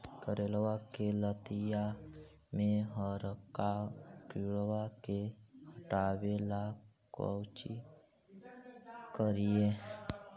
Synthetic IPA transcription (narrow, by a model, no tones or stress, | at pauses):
kəɾeːlwakelət̪ija | mẽɦəɾkakiɭwakehəʈawelakə̰wt͡ʃi | kəɾije